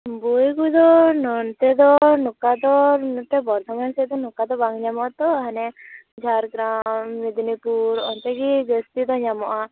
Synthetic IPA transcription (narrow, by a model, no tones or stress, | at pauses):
bujɡud̪ɔnɔnt̪ɛd̪ɔnɔkad̪ɔnt̪ɛbɔɾt̪ʰɔmansɛd̪ɔnɔkad̪ɔbaŋɲamɔt̪ɔɦanɛ | d͡ʒʱaɾɡɾamːid̪nipuɾɔ̰nt̪ɛɡiɡest̪id̪ɔɲamɔʔa